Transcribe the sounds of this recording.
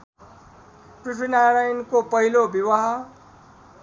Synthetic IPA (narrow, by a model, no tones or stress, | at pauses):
prisʰinaɾajnkopʌɦilobiwaɦʌ